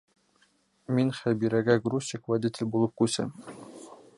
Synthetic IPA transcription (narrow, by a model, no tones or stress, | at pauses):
minχæbiɾæɡæɡrusʲikvad̪ʲit̪ʲɪ̆lʲbulˠɤp̚kʉsɘ̰m